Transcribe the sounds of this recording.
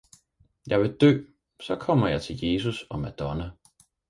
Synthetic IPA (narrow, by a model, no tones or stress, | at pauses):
jɑ̈ɪʋe̝d̥ø̰ː | sɒ̽kʰɒ̽m̰ɐjɑ̈ɪt͡sʰe̝lje̝s̬usɒ̽mæd̥ɒnæ